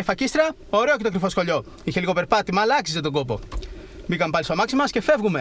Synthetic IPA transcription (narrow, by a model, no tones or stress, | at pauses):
efɐcist̪ɾɐ | oɾe̞oce̞t̪okɾifo̞sxo̞ʎo̞ | içe̞liɣo̞pe̞ɾpɐt̪imɐːlɐksiset̪o̞ɡo̞po̞ | bikɐmepɐlist̪omɐksimɐsce̞fe̞vɣume̞